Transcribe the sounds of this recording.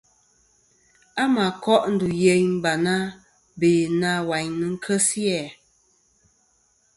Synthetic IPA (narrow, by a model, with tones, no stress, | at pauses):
a˦ma˨kɔ˦ʔn̩˦du˨je˨ɲm̩˦ba˨na˦ | beː˨na˦wa˨ɲnɨ˨ŋ̩˦kʰə˦sjɛ˨